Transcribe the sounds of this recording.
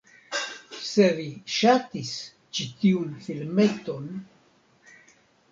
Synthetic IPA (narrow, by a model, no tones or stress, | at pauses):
se̞viʃatis | t͡ʃitiunfilmeto̞n